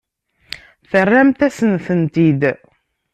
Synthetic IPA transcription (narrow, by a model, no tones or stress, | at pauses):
θərːæmt̪æsənθənt̪id̪